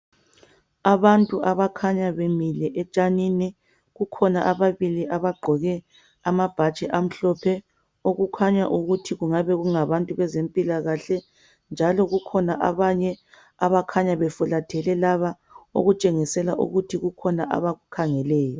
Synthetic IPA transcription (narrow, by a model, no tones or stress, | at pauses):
aβantʼuʔaβakʰaɲaβemilɛʔɛt͡ʃʼaninɛ | ɣukʰɔnaʔaβaβiliʔaβaɡ͡ǃʱɔɣɛ | amab̥ʱat͡ʃʼɛʔam̩ɬɔpʰɛ | oɣukʰaɲa̰ʔuɣutʰiɣuŋaβɛɣuŋaβantʼuβɛzempʼilaɣaɬɛ | nd͡ʒʱalɔɣukʰɔnaʔa̰βaɲɛ | aβakʰaɲaβɛfulatʰɛlɛlaβa | o̰ɣut͡ʃʼeŋisɛlaʔṵɣutʰiɣukʰɔnaʔa̰βaɣukʰaŋɛlɛːjɔ